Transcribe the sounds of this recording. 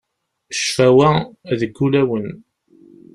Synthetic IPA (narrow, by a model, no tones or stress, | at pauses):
ʃfæwæðəɡːulæwən